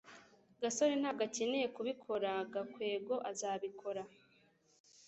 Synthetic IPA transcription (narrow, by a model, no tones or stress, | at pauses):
ɡaso̞ɾin̥haːɡaceneje̞kuβikʰo̞ɾaɡakwe̞ːɡo̞ʔazaːβikʰo̞ɾa